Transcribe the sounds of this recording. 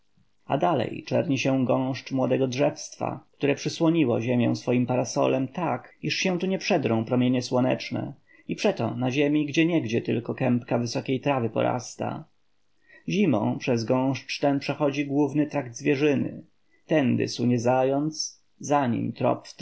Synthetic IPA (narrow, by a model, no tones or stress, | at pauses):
a̰d̪alɛ̰jt͡ʂɛ̰ɾɲiɕɛ̃ɡɔ̃w̃ʂt͡ʂmwɔd̪ɛɡɔdʐɛfst̪fa̰kt̪uɾɛpʂɘswɔɲiwɔʑemʲjɛ̃w̃sfɔjimpaɾasɔ̰lɛmt̪akiʂɕɛ̃t̪uɲɛpʂɛd̪ɾɔ̃w̃pɾɔmʲjeɲɛswɔnɛ̰t͡ʂnɛ̰ | ipʂɛt̪ɔ̰naʑemʲiɡd͡ʑɛɲɛɡd͡ʑɛt̪ɘlkɔkɛmpkavɘsɔkʲejt̪ɾavɘpɔ̰ɾa̰st̪a̰ | ʑimɔ̰̃pʂɛzɡɔ̃w̃ʂt͡ʂt̪ɛnpʂɛxɔd͡ʑiɡwuvnɘt̪ɾaɡd̪zvʲjɛʐɘnɘ̰ | t̪ɛnd̪ɘ̰suɲɛzajɔnt̪s | zaɲḭmt̪ɾɔ̰p̪